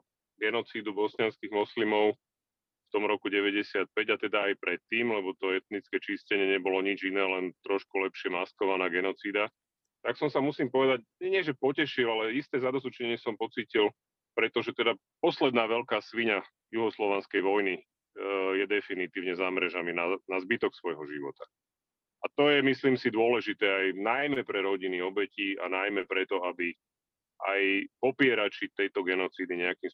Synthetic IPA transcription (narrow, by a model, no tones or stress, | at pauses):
ɡɛnɔt͡siːd̪ubɔsɲɪanskiːɣmɔslimɔʊ | ft̪ɔmɾɔkuɟɛʋɛɟɛsɪat̪̚pɛɟat̪ɛd̪aːjpɾɛt̪ːiːmlɛbɔt̪ɔɛt̪nit͡skɛt͡ʃiscɛɲɪɛɲɛbɔlɔɲid͡ʒinɛːlɛnt̪ɾɔʃkulɛpʃɪɛmaskɔʋanaːɡɛnɔt͡siːd̪a | t̪aksɔmsamusiːmpɔʋɛd̪aɟɲɛɲɪɛʒɛpɔcɛʃilalɛist̪ɛːzad̪ɔzut͡ʃɲɛɲɪɛsɔmpɔt͡siːcil | pɾɛt̪ɔʒɛt̪ɛd̪a | pɔslɛd̪naːʋɛʎkaːsʋiɲa | juɦɔslɔʋɛnskɛjʋɔjni | jɛd̪ɛfinit̪iːʊɲɛzamɾɛʒaminanazbit̪ɔksʋɔjɦɔʒiʋɔt̪a | at̪ɔjɛmisliːmsid̪ʊɔlɛʒit̪ɛːajnajmɛpɾɛɾɔɟiniɔbɛciːa̰najmɛpɾɛt̪ɔabi | ʔa̰jpɔpɪɛɾat͡ʃit̪ɛjt̪ɔɡɛnɔt͡siːd̪iɲɛakiːms